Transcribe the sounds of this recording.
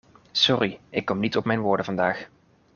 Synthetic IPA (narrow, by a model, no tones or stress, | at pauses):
sɔriʔɪkːɔmnitɔpmɛjnʋʊːɹdəvɑndaːx